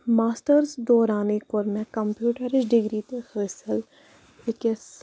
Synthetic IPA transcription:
maːsʈəɾzd̪ɔːɾaːnekʊɾmẽkɐmpjuːʈəɾɪsɖɪɡɾit̪exəːsəl | ɪkes

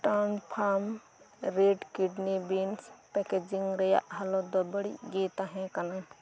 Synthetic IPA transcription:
ʈanpʰaːm | ɾeːɖkiɖnibinspɛked͡ʒiŋɡɾɐja̰ʔɦɐlod̪ɔbəɽḭɡet̪aɦɛ̃kɐnan

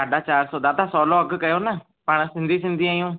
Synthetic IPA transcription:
saːɖaːt͡ʃaːɾsɔːd̪aːd̪ãːsɔːlɔːəɡkəjoːnaː | pəɳ̃sɪ̃nd̪iːsɪ̃nd̪iːaːjõː

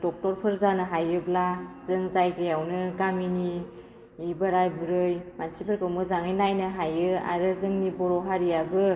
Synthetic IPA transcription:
d̥ɔk̚tɔɾpʰɯɾzanɯɦajɯblazɯŋzajɡɯjawnɯɡaminiː | baɾajbɯɾɯjmansipʰɯɾkʰɯwmɯzaŋɯjnajnɯɦajɯa̰ɾɯzɯŋnibɔɾɔɦaɾijabɯ

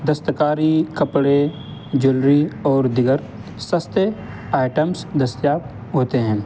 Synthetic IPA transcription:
d̪əst̪əkaːɾikəpɽe | d͡ʒʊlɾiɔːɾd̪ɪɡəɾ | səst̪ə | aːɪʈəmsd̪əst̪jaːpɦoːt̪eɦɛ̃ː

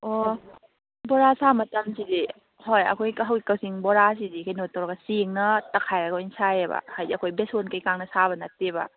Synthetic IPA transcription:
o | bɔɾasamɐtɐmsidi | hojɐ̰kʰojkɐɦawɡikɐwsiŋbɔɾas̬idikʰajnotʰːɐwɾɐɡɐsiŋnɐtɐkʰajɐɡjnsajebɐ̰hajdɐkʰojbesonkɐjkaŋnɐsaβɐnɐtebɐ̰

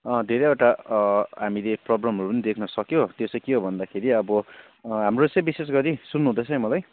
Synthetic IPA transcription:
ʌ̃d̪ʱeɾejeʈaɦamileprobramrupʌnid̪ekʰnʌsʌkjot̪josʌjkiɦobʱʌnd̪akʰeɾiʌbʌ | ɦamrot͡sʌ̃j̃bisesɡʌɾisunːuɦũd̪ʌt͡sʰʌ̃j̃mʌlaj

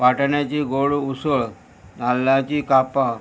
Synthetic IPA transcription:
paʈɳjat͡ɕiɡoɭuusəɭ | nalːat͡ɕikapa

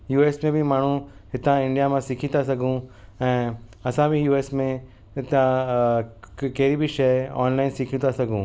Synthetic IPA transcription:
juːeːsmẽbʱɪmaːɳ̤ũɦɪt̪ãɪ̃ɳɖijamãsɪkʰĩt̪asɐɡʱũɛ̃ːɐsãbʱijuːeːsmẽ | ɪt̪ã | kɐɦɪɾibʱɪʃɐɔ̰ːnlaːɪnsɪkʰũt̪asɐɡʱũː

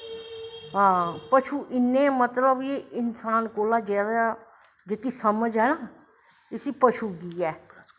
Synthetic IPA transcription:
ɦãːpət͡ʃʰuːʔɪnːẽːmət̪ləbeːɪnsaːnkoːlaːd͡ʒɛːɾa | d͡ʒeːkisəməd͡ʒɦɛːnaː | ɪsiːpət͡ʃʰuːɡiːɛː

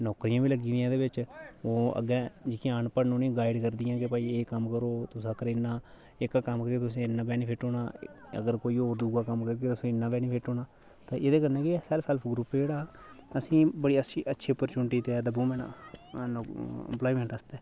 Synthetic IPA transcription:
nɔːkɾijãːbiːləɡĩːd̪ijãːd̪eːʋɪt͡ʃoːə̰ɡɛ̃ːd͡ʒɪkĩãənpəɽnũːnĩːɡaːɪɖkəɾd̪ijãːkepaːiːeːkəmkəɾoːt̪ʊsãːkəɾenːãː | ɪkaːkəmkəɾeːt̪ʊsĩːɪnːãːpɛːniːpʰɪʈoːnaːə̰ɡəɾkoːiːoːɾd̪uːɡaːkəmkəɾkeːt̪ʊsĩːɪnːãːpɛːniːpʰɪʈoːnaː | t̪ãːʔed̪eːk̬ənɛ̃ːkesɛlpʰɛlpʰɡɾuːpːd͡ʒeːɽaːəsĩːbəɽiːəsiːətːʃʰeːpːəɾt͡ʃʊɳʈiːt̪eːd̪əbũːmɛ̃na̰ː | ɛ̰mplaːimẽːɳʈəst̪ɛː

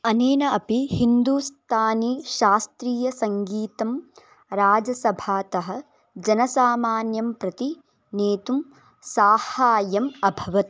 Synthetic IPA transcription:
ɐneːnɐɐpihind̪uːst̪ʰaːniʃaːst̪ɾiːjɐsɐŋɡiːt̪ɐm | ɾaːd͡ʒɐsɐbʱaːt̪ɐɦɐ̆ | d͡ʒɐnɐsaːmaːnjɐmpɾɐt̪i | neːt̪um | saːhaːjɐmɐbʱɐʋɐt̪̚

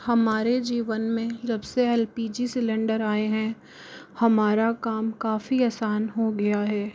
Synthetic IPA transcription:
hɐmaːɾed͡ʒiːʋənmẽd͡ʒɐbseɛlpiːd͡ʒisɪlɛ̃ɳɖəɾaːeɦɛ̃ | hɐmaːɾakaːmkaːfiaːsaːnɦoɡɐjaɦɛː

